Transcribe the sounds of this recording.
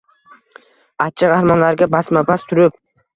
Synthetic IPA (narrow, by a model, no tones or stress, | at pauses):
at̪̚t͡ʃʰaʁɑhɾmanlaɾɡʲabasmabast̪ʰʊɾɪp̚